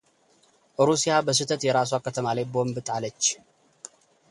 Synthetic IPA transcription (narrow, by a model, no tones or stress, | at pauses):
ʔɨɾusijabəs̬ɨt̪ʰət̪jɛɾas̬wakʰət̪ʰəmalajbo̞mbɨt̪ʼalət͡ʃː